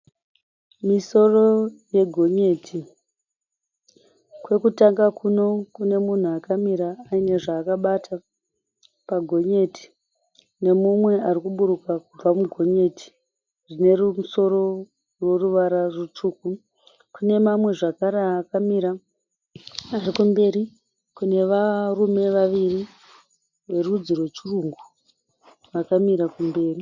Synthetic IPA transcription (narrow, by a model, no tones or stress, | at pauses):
miso̞ro̞je̞ɡʱo̞ɲe̞tʰi | kwe̞kutaŋɡakʰuno̞kune̞mun̤uakamiɾaːine̞ʐaːkaɓata | paɡʱo̞ɲe̞ti̥ | ne̞mumwe̞arikuɓuɾukakub͡vamuɡʱo̞ɲe̞ti̥ | ʐine̞rumuso̞ɾo̞ | rwo̞ruʋaɾarut͡ʂuːku | kune̞mamwe̞ʐakaɾeaːkamiɾa | arikumbe̞ɾi | kune̞ʋarume̞ʋaʋiri | ʋe̞rud͡zirwe̞t͡ʃiruːŋɡu | ʋakamiɾakumbe̞ːri